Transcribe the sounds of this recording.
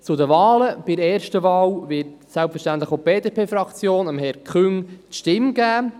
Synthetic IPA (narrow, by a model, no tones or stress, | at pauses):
t͡sʊdəvɑːləb̥ɪɾɛːɾʃtəvɑːwvɪtsɛlpfɛɾʃtænt̪ləχob̥eːdeːpʰeːfɾɑkt͡sjoːnəmɦɛɾkʰχʏŋtʃtɪmɡ̥æː